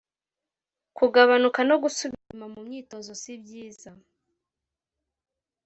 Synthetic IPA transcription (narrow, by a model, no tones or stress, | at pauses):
kuɡaβanukano̞ɡusuβimamumɲiːto̞zo̞sibɟiːza